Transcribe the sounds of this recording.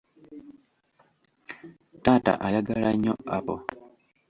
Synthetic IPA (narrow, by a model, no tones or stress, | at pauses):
taːta̰ʔajaɡalaɲːoapo̰